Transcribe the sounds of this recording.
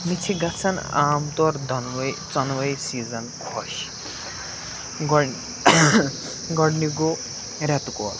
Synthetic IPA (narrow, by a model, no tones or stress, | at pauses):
mit͡ʃʰiɡɐt͡sʰɐnaːmt̪ɔɾd̪ʱɔnwɐjt͡sɔnʋɐjsiːzɐnkʰɔʃ | ɡɔ | ɡɔɽniɡo | ɾɛt̪ukɔ̰ːl